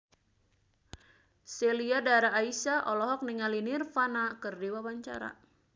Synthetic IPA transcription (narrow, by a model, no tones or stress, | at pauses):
sɛliadaɾaːisaʔɔlɔɦɔk̚niŋalinirfanakɨrdiwawaɲt͡ʃa̰ɾa̰